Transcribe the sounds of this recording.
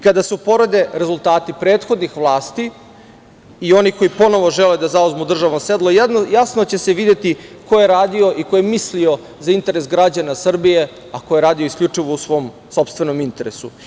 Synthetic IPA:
kad̪asupo̞ɾo̞d̪e̞ɾezulˠt̪aːt̪ipɾeːt̪xo̞d̪nixʋlˠaːst̪i | io̞niko̞ipo̞no̞ʋo̞ʒeled̪azauzmud̪r̩ʒaʋomsed̪lˠojasnot͡ɕe̞se̞ʋid̪e̞t̪iko̞je̞ɾaːd̪io̞ʔiko̞jemislio̞ | zaint̪e̞ɾe̞sɡɾad͡ʑanasr̩bije̞ | akojeɾaːd̪ioiskʎʲut͡ʂiʋousʋo̞ːm | so̞pst̪ʋe̞no̞mint̪e̞ɾesu

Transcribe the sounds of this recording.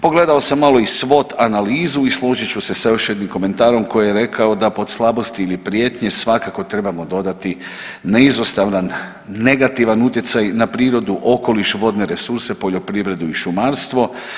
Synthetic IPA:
po̞ɡle̞d̪aosamːalˠo̞isʋo̞t̪analiːzuislˠo̞ʒit͡ɕuse̞sajo̞ʃje̞d̪nimko̞me̞nt̪aːɾo̞mko̞jijeɾe̞kʰaod̪apo̞d̪slˠabo̞st̪iːlipɾije̞ːt̪ɲe̞sʋakako̞t̪ɾe̞bamo̞d̪o̞d̪at̪i | neizost̪aʋnanː | e̞ɡat̪iʋanut̪jet̪sajnapɾiːɾo̞d̪uʔo̞ko̞liʃʋo̞d̪ne̞ɾe̞suɾse̞po̞ʎo̞pɾiʋɾe̞d̪uiʃumaɾst̪ʋo̞

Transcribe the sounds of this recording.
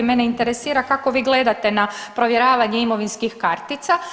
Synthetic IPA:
meneint̪e̞ɾesiːɾakako̞ʋiːɡle̞d̪at̪e̞napɾo̞ʋjeɾaːʋaɲeimo̞ʋinskixkaɾt̪it̪sa

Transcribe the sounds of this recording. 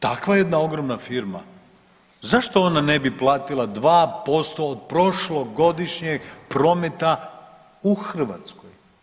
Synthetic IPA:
t̪akʋajed̪nao̞ɡɾo̞mnafiɾma̰ | zaʃt̪o̞onanebiplˠaːt̪ilˠad̪ʋaːpo̞st̪o̞ːd̪̚pɾo̞ʃlo̞ɡo̞d̪iʃɲeɡpɾo̞met̪a | uxr̩ʋa̰t̪skoj

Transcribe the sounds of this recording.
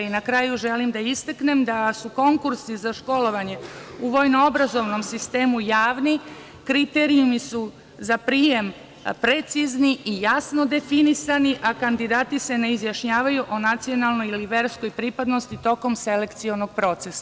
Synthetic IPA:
inakɾaːjuʒe̞limd̪aist̪akne̞md̪asuko̞ŋkuɾsizaʃko̞lo̞ʋaɲe̞uʋo̞jnoobɾazo̞ʋno̞msist̪e̞ːmujaːʋni | kɾit̪eɾiumisu | zapɾiːje̞m | pɾet̪sizniʔijasno̞d̪e̞finisaniʔakand̪id̪aːt̪ise̞ne̞izjaʃɲaːʋajuʔonat̪sio̞nalˠno̞jiliʋe̞ɾsko̞jpɾipad̪no̞st̪it̪o̞ko̞mse̞le̞kt̪sio̞no̞ɡ̚pɾo̞t̪sesa

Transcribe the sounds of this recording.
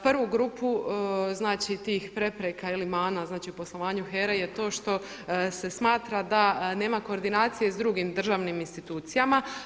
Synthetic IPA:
pr̩ʋuɡɾuːpuznaːt͡ʃit̪iːxpɾe̞pɾekailimaːnaznaːt͡ʃiupo̞slˠo̞ʋaːɲuxeɾejet̪o̞ːʃt̪o̞ | se̞smaːt̪ɾad̪ane̞ːmako̞ːɾd̪inaːt̪sije̞zd̪ɾuɡimd̪r̩ʒaːʋniminst̪it̪uːt̪sijama

